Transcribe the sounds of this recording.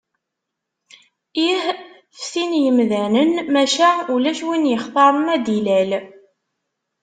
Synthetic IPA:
ih | fsinjəmðænənmæʃaʕulæʃwinjəχt̪ˤɑɾˤəmæd̪ilæl

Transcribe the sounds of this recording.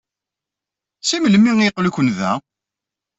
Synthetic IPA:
siməlmːiŋiqːlukənðæ̰

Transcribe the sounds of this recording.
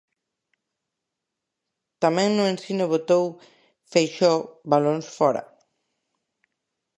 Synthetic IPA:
t̪amẽŋnuẽnsinoβot̪ow | fejʃɔβalonsfɔɾɐ̰

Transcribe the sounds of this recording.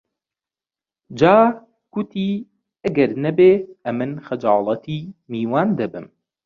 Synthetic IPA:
d͡ʒaː | ɡ̥ʊt̪ʰiː | ʔɐɡɐɾnɐbeːʔɐmɨnxɐd͡ʒɑːlˠɐt̪ʰiːmiːwaːnd̪ɐbɨm

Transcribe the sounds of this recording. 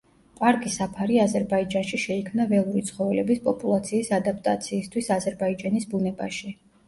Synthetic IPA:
pʼaɾkʼisapʰaɾiazɛɾbaid͡ʒanʃiʃɛikʰmnavɛlˠuɾit̪sʰχɔvɛlɛbispʼɔpʼulˠat̪sʰiːsad̪ap̚ʰʼt̪ʼa̰t̪sʰiːst̪ʰwisazɛɾbaid͡ʒanisbunɛba̰ʃi

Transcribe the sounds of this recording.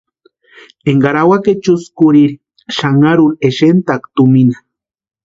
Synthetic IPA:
eŋɡaɾawaket͡ʃuskuɾiɾi | ʃaŋaɾuneʃent̪akt̪uminḁ

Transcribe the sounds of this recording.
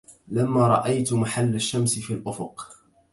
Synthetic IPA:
lamːaːɾˤɑ̰ʔajt̪maħalːaʃːamsɪfiːlʔʊfʊq

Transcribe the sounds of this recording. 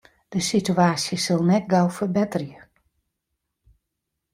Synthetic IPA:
d̥əsityaːsjəsɪlˠnɛt̚ɡawfərbɛtərjə

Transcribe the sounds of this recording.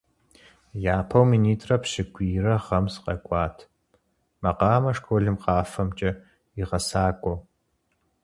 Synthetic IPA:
jaːpʰɐwminiːtʰʼrɐpɕɪɡʷʰʼiːrɐʁɐmsqʼɐ̰kʷʼɑːtʰ | mɐqɑːmɐʂkʰoːɮɨmqɑːfɐmt͡ʃʼɐ | iʁɐsaːkʷʼɔw

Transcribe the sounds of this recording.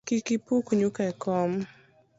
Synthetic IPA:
kikipukuɲukaɛkɔm

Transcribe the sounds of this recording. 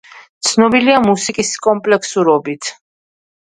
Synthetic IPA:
t̪sʰnɔbiliamusikʼiskʼɔmpʼlɛksuɾɔbit̪ʰ

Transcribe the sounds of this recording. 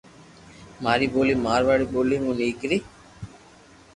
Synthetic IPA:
maːɾiːboːliːmaːɾʋaːɽiːboːliːmũːniːkɾiː

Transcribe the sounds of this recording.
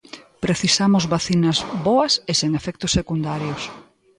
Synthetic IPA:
pɾeθisamʊzβaθinɐzβɔɐseseŋefɛk̚t̪ʊsːekund̪aɾjʊs

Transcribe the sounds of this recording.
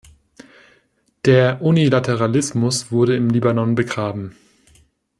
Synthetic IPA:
d̥eːɐʔunilatʰeʁalɪsmʊsv̥ʊɐɾəɪmliːbanɔnbəɡʁaːbm̩

